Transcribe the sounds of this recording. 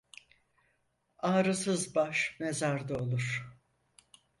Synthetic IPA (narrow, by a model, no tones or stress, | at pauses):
aːɾɯsɯzbaʃmezaɾd̪aolˠuɾ̥